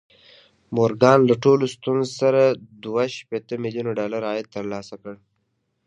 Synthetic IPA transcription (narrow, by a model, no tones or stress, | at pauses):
moɾɡɑnlaʈolost̪unzsaɾad̪waʃpet̪əmɪljunoɖɑlaɾɑjɪd̪̚t̪əɾlɑsakəɽ